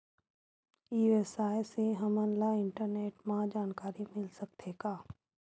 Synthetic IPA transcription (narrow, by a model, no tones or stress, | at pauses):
iːesaːjseɦəmənlaɪ̃ɳʈəɾneːʈmãd͡ʒaːnkaːɾimɪlsək̚t̪ʰeːɡaː